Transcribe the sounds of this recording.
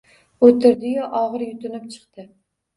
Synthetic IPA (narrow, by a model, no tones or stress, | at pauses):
ot̪ʰɪɾd̪ɪjɒʔɒʁɨɾjʊt̪ʊnɪp̚t͡ʃʰɨ̥qt̪ɪ